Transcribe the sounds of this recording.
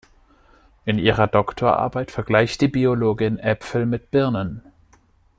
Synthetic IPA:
ʔɪnʔiːʁ̞ɐdɔktʰoːɐʔa̰ɐbaɪtfɛɐɡlaɪçtd̥iːbioloːɡɪnʔɛpfl̩mɪt̚b̥ɪɐnən

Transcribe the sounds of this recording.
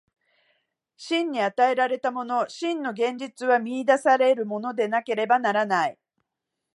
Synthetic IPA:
ɕĩɲ̟ːiat̪ae̞ɾaɾe̞t̪amo̞no̞ɕĩnːo̞ɡẽ̞ɲ̟d͡ʑit͡sɨβamʲiːd̪asaɾe̞ɾɯ̟mo̞no̞d̪e̞nake̞ɾe̞banaɾanai

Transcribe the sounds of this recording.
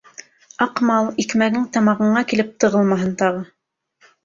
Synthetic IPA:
ɑqmɑlˠikmæɡɘŋt̪ɑmɑʁɤ̆ɴɑkilɘp̚t̪ɤ̆ʁɤlˠmɑɦɤnt̪ɑʁɤ

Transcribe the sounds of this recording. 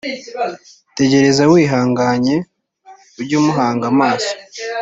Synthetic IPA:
te̞ɟe̞ɾe̞zawiːɦaːŋɡaːɲe̞ | uɾɟuːmuɦaːŋɡamaːso̥

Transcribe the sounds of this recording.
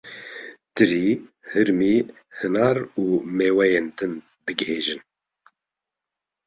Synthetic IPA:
t̪ɨɾiː | hɨɾmiː | hɨnɑːɾuːmeːwɛjeːnt̪ɨn | d̪ɨɡɨheːʒɨn

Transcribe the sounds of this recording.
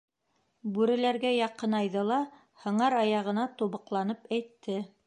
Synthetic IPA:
bʉɾɘ̆læɾɡæjɑqɤnɑjðɤlˠɑ | hɤ̆ɴɑɾɑjɑʁɤ̆nɑt̪uβɤ̆qlˠɑnɤpæjt̪ʰːɘ

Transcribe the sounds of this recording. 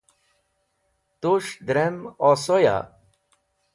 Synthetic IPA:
t̪uʂd̪ɾemɔsoja̰

